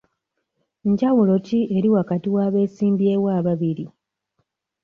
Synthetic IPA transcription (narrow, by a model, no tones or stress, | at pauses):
ɲɟawulo̞cie̞ɾiwakatiwaːβe̞ːsiːmbjewaːβaβiɾi